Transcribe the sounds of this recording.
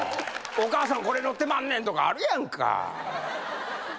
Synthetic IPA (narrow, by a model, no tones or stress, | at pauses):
o̞kaːs̬ãŋko̞ɾe̞no̞t̪ːemãnːẽnt̪o̞ka̰ːɾɯ̟jãŋkʰa̰